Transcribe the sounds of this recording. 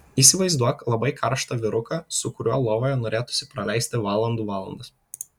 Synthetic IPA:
iːsʲɪʋɐɪzd̪uɔklˠɐbɐɪkʰɐɾʃt̪ɐʋʲɪɾʊkɑsʊkʊɾʲuɔlˠoːʋoːjɛnoːɾʲeːt̪ʊ̥sʲɪpɾɐlʲæˑɪsʲt̪ʲɪʋɑːlˠɐnd̪uːʋɑːlˠɐ̰nd̪ɐs

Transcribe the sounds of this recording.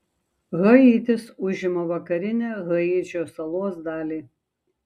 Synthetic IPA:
ɣɐiːt̪ʲɪsʊʒʲɪmoːʋɐkɐɾʲɪnʲeːɣɐiːt͡ʃʲoːsɐlˠoɔsd̪ɑːlʲiː

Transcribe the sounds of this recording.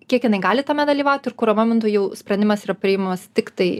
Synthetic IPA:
kʲiɛkjɪnɐɪɡɑːlʲɪt̪ɐmʲɛd̪ɐlʲiːʋɑʊt̪ʲɪɾkʊɾɐmɐmʲɪnt̪ujɛʊsʲpɾɐnd̪ʲɪmɐsiːɾɐpʲɾʲɪɪmɐmɐst̪ʲɪkt̪ɐɪ

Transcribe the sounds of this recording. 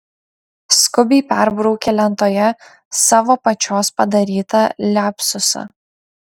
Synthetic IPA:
skʊbʲɛɪpʲɛɾbɾɒʊkʲelʲɛnt̪oːjɛ | sɑːʋoːpɐt͡ʃʲoːspɐd̪ɐɾʲiːt̪ɐlʲæːpʲsʊsɐ̰

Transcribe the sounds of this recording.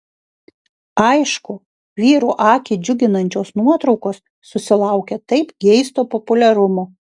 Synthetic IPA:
ɐɪʃkʊ | ʋʲiːɾuːʔɑːkʲɪd͡ʒʲʊɡʲɪnɐnʲt͡ʃʲoːsnuɔt̪ɾɒʊkoːsːʊsʲɪlˠɐˑʊkʲɛt̪ɐɪpɡʲɛɪst̪oːpɔpʊlʲɛɾʊmoː

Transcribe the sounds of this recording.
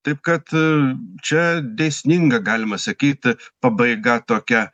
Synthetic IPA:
t̪ɐɪpkɐt̪ | t͡ʃʲɛd̪ʲeːsʲnʲɪŋɡɐɡɑːlʲɪmɐsɐkʲiːt̪ʲpɐbɐɪɡɐt̪oːkʲɛ

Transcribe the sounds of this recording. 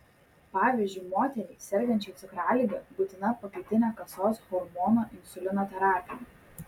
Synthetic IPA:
pɑːʋʲiːzʲd͡ʒʲʊɪmoːt̪ʲɛɾʲɛɪsʲɛɾʲɡʲɛnʲt͡ʃʲɛɪt̪sʲɪkɾɑːlʲɪɡʲɐbuːt̪ʲɪnɐpɐkʲɐɪt̪ʲɪnʲɛːkɐsoːsɣɔɾmɔːnoːʔɪnsʲʊlʲɪnoːt̪ʲɛɾɑːpʲɪjɛ

